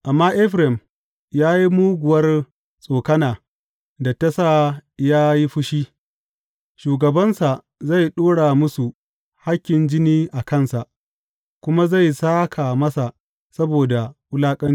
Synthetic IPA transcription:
ʔa˨mːaː˦ʔɛ˦ɸɾɛ˨m | jaː˦ji˦muː˦ɡʷʊ˨wɐ˦r | sʼoː˨kɐ˦naː˨ | da˨tɐ˦saː˦˨jaː˦ji˦ɸʊ˦ʃiː˦ | ʃuː˨ɡɐ˨bɐ˦nsa˨ | za˦˨jɗoː˦ɽaː˨mʊ˦su˨ | ha˦kʲːɪ˨nd͡ʒɪ˦niː˦ʔa˨kɐ˦˨nsa˨ʔ | kʷʊ˦ma˦za˦˨jsaː˦kʰa˨mɐ˦sa˨ʔ | sɐ˦boː˨da˨ʔʊ˦laː˦kʼɐ˦n

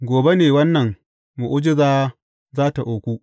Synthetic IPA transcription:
ɡʷoː˨be˦neː˨wɐ˦nːɐ˨ŋ | mu˨ʔʊ˦d͡ʒɪ˦zaː˦ | zaː˦ta˨ʔoː˨kʷu˦ʔ

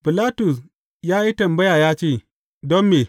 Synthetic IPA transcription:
bɪ˨laː˦tʊ˨s | jaː˦ji˦tɐ˨mbɐ˦jaː˨jaː˦t͡ʃeː˦˨ | dɔ˦mːeː˨

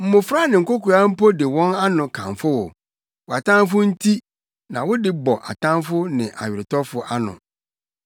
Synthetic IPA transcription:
m̩˨mʊ̃˨fɾa˦nɪ̃˨ŋ̩˨ko˦ku˨a˦m̩˦po˦dɪ˨wɔ̃˦na˦nʊ̃˨kʰã̰˨ɱfʊ˦wɔ̰˨ | wɔ˨a˨tʰã˦m˦fʊ˦n̩˦tʰi˦ | nã˨wʊ˦dɪ˦bɔ˨ʔa̰˨tʰã˦mfʊ˦nɪ̰̃˨ʔa̰˨ɥɪ˨ɾɪ˨tʰɔ˦fʊ˨ʔa˦nʊ̰̃˨

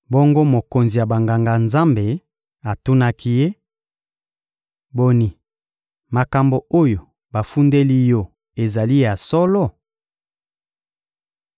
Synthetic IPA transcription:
bo˦ŋɡo˦mo˨ko˨nzi˨ja˨ba˨ŋɡa˨ŋɡa˨nza˦mbe˨ | a˨tu˦na˦kʰi˦je˦ | bo˨ni˨ | ma˨ka˨mbo˨o˦jo˨ | ba˨fu˦nde˦li˦jɔ˦ | e˨za˨li˦ja˨sɔ˦lɔ˦˨

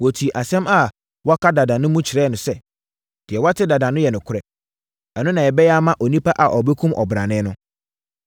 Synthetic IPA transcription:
wɔ˨tʰi˨ʔa˨sɛ̃˦ma˦ | wɔ˦kʰa˦da˨dã˨nʊ̃˦mũ˦t͡ɕʰɪ˨ɾɛ˦nʊ̃˨sɛ˦ | d̥ɪ˨ɛ˨wa˦tʰɪ˦da˨dã˨nʊ̃˦jɛ˨nʊ̃˨kʰʊ˦ɾɛ˨ | ɛ˨nʊ̃˦nã˨jɛ˨bɛ˦jɛ˦a˦mã˦ʔɔ˨nĩ˦pa˦ʔa˨ʔɔ˨bɛ˦kʰũ˦mʔɔ̰˨bɾã˨nɪ̃˦nʊ̃˦

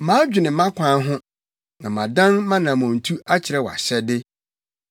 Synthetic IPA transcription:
mãː˨˦d͡ʑᶣɪ˨nɪ̃˨mã˦kʷʰã˨˦ɦʊ̃˦ | nã˨mã˨dã˦nmã˦nã˨mɔ̃˨n̩˨tʰu˦a˦t͡ɕʰɪ˨ɾɛ˦wɔ˨a̰˨ɕɛ˦dɪ˦

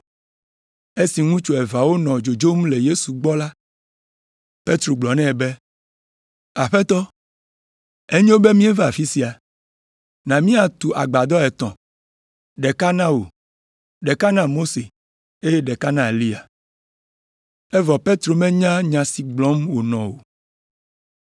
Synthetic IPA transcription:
e˦si˨ŋũ˦t͡ʃo˨ɛ˨va˨wo˦nɔ̃˨d͡ʒo˨d͡ʒo˦mle˨je˦su˨ɡ͡bɔ˦la˦ | pe˦t̪ɾo˨ɡ͡blɔ˨nɛ̃˦˨be˦ | a˨ɸɛ˦t̪ɔ˦ | e˦ɲẽ˦wo˦be˦mĩ˦ɛ˦va˦a˨fi˦si˦a˨ | nã˨mĩ˦a˨t̪u˨ʔa̰˨ɡ͡ba˨d̪ɔ˦ɛ˨t̪ɔ̃˨ | ɖɛ˨ka˦nã˦wo˨ | ɖɛ˨ka˦nã˦mo˦se˨ | e˦jɛ˦ɖɛ˨ka˦nã˦e˨li˦a˨ | ɛ˦vɔ˨pe˦t̪ɾo˨mɛ̃˦ɲã˦ɲã˨si˨ɡ͡blɔ̃˦mwo˨nɔ̃˨wo˨

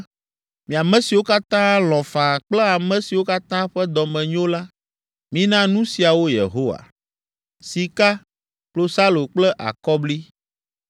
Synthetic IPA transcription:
mĩ˨a˨mɛ̃˦si˨wo˦ka˦t̪ã˦lɔ̃˨fã˨k͡plɛ˦a˨mɛ̃˦si˨wo˦ka˦t̪ã˦ɸɛ˦d̪ɔ˨mɛ̃˨ɲo˦la˦ | mĩ˦nã˦nũ˦si˨a˨wo˦jḛ˨ɦo˦wa̰˨ | si˨ka˦ | k͡plo˦sa˦lo˨k͡plɛ˦ʔa̰˨kɔ˦bli˦

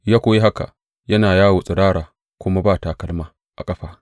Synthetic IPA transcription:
jaː˦kʷoː˦je˦ɦa˦ka̰˨ʔ | jɐ˦naː˨jaː˦wo˨sʼɪ˨ɽaː˦ɽaː˨ | kʷʊ˦ma˦baː˦˨ta˨kɐ˦lmaː˦ | ʔa˨kʼɐ˦ɸaː˦

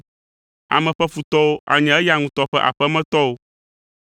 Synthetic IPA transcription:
a̰˨mɛ̃˨ɸɛ˦ɸu˨t̪ɔ˦wo˦ʔa̰˨ɲɛ̃˨ɛ˦ja˨ŋũ˦t̪ɔ˦ɸɛ˦ʔa̰˨ɸɛ˦mɛ̃˦t̪ɔ˦wo˦

